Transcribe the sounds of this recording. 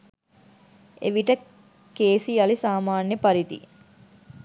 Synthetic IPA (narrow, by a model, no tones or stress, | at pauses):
ḛʋiʈə | keːsiɐlisaːmaːnjəpɐɾit̪ḭ